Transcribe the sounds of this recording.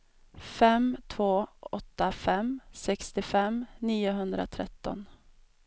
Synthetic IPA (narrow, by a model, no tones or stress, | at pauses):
fɛmt̪ʰvoːɔt̪ːafɛmsɛkst̪ɪfɛmniːʊɦɵnd̪ɾa̰t̪ʰɾɛ̰t̪ːɔ̰n